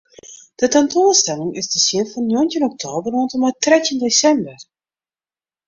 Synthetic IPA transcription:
d̥ətɛntoːstɛlɪŋɪsdəsɪənfɑnjontjənɔk̚tʰoːbərontəmatrɛtindesɛmbər

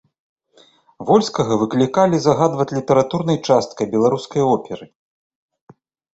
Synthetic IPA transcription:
vɔlʲskɐɣɐvɨklʲikalʲizɐɣad̪vɐt͡sʲlʲit̪ɐɾat̪uɾnɐjt͡ʂast̪̚kɐjbʲɛlˠaɾuskɐjɔpʲɛɾɨ

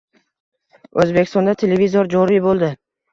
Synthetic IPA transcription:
ɵzbekʲɪst̪ɒnd̪at̪ʰelevizoɾd͡ʒɒɾibolˠd̪ɪ

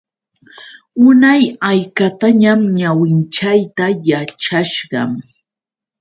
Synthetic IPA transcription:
ʊnajajkat̪aɲamɲawɪnt͡ʃajt̪ajat͡ʃaʃɢɑ̰m

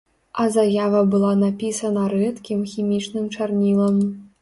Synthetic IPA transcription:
ɐzajavɐbɨlˠanapʲisɐnɐɾɛt̪kʲimxʲimʲit͡ʂnɨmt͡ʂarnʲilˠɐm

